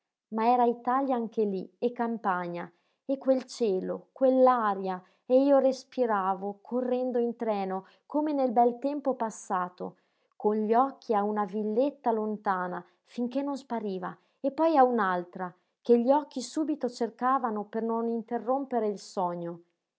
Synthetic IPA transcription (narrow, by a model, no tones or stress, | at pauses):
maɛːɾait̪aljaaŋkeliekːampaɲa | ekːwelt͡ʃɛːlokwelːaɾja | eiːorespiɾaːvokʰorːɛnd̪oint̪ɾɛːno | komenelbɛlt̪ɛmpopasːaːt̪o̰ | konʎɔkʰːiaunavilːet̪ːalont̪aːna | fiŋkenːonspaɾiːva | epːɔjaunalt̪ɾa | keʎiɔk̟ːisuːbit̪ot͡ʃerkaːvanopernonint̪erːompeɾeilsɔɲːo